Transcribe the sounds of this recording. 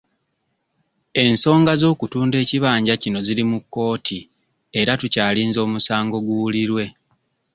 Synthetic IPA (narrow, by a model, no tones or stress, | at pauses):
e̞nso̞ːŋɡazo̞ːkutuːnde̞ːciβaːɲɟacino̞zilimukːo̞ːtʰi | e̞ɾatucaːliːnzo̞ːmusaːŋɡo̞ɡwuwuliɾwe̞